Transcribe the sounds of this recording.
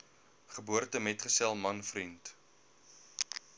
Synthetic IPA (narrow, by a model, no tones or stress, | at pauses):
χəbuərtəmɛtχəsælˠmɐnfrint